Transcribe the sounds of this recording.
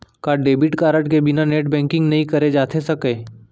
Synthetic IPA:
kaɖeːbɪʈkaːɾəʈkebɪnaneːʈbɛ̃ːŋkɪ̃ŋɡnɐɦĩkɐɾed͡ʒaːt̪ʰesɐkeː

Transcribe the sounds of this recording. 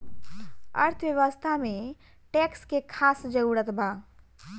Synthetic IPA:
ə̰ɾt̪ʰʋjəwəst̪ʰame | ʈekskekʰasd͡ʒəuɽət̪ba

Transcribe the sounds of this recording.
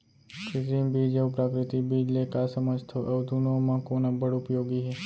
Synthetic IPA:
kɾɪsimbid͡ʒeupɾakɾɪt̪ibid͡ʒlekasəməd͡ʒt̪ʰoʔed̪ʱunomãkonãbəɽupjoɡiɦe

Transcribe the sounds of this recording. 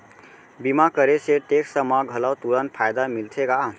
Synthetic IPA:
bimakəɾeseʈeksəmaɡʱəlawt̪uɾənpʰajd̪amilt̪ʰeka

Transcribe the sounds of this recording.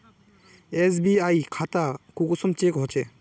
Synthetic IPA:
es̬biajkʰat̪akukɔsɔmt͡ʃekɦɔt͡ʃɛ

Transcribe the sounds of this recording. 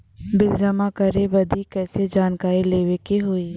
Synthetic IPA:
bɪld͡ʒɐmakɐɾẽbɐd̪ʱikɛːsed͡ʒaːnkaːɾileːʋekeɦoːi

